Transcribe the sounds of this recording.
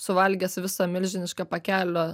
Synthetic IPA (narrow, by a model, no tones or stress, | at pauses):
sʊʋɐlʲɡʲɛsʋʲɪsɐmʲɪlʲʒʲɪnʲɪʃkɑpɐkʲæːlʲoː